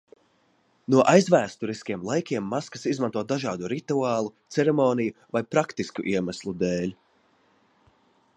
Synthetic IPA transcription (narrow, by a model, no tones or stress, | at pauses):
nuɔʔajzvæːst̪uɾiskʲiɛmlˠajkʲiɛmːaskɐsizmãnt̪uɔd̪aʒaːd̪uɾit̪uaːlˠut̪sɛɾɛmɔːnijuvajpɾakt̪iskṵʔiɛmæslˠud̪eːlʲ